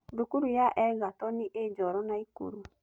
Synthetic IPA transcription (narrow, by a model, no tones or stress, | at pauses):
dokuɾujaʔɛɣatɔniʔed͡ʒɔɾɔnaikṵɾu